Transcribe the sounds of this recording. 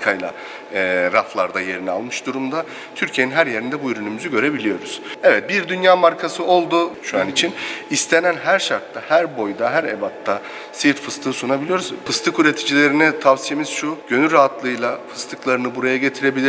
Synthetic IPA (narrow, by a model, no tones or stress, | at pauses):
kʰajlˠa̰ | ɾaflˠaɾd̪aje̞ɾinɛalˠmɯʃd̪uɾumd̪a | t̪ʰyɾcʰieninɦæɾje̞ɾind̪ɛbuyɾynymyzyɟø̞ɾe̞bilʲijo̞ɾuz̥ɛvɛt̪̚biɾd̪ynjaːmaɾkʰasɯo̞lˠd̪uʃuanit͡ʃʰinist̪ʰe̞nænɦæɾʃaɾt̪ʰːahæɾbo̞jd̪aɦæɾebat̪ːa | sɯɾt̪fɯst̪ʰɯːɯsunabilʲijo̞ɾuzfɯst̪ʰɯkyɾe̞t̪ʰid͡ʒilʲe̞ɾinɛt̪ʰavsije̞miz̥ʃuɟ̥ø̞nyɾaɦat̪ʰlˠɯjlˠafɯ̥st̪ʰɯklˠaɾɯnɯbuɾajaɟe̞t̪ʰiɾe̞bilʲi